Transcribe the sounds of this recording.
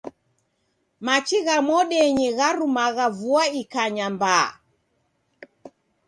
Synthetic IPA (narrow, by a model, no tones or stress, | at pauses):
mat͡ʃiɣamɔɗɛɲiɣaɾumaɣavuaikaɲamba̰